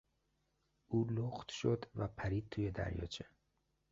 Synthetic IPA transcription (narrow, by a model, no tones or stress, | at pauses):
uːloxt̪ʃo̞d̪væpʰæɾiːd̪̚t̪ʰuːje̞d̪æ̰ɾjɒ̰ːt͡ʃʰe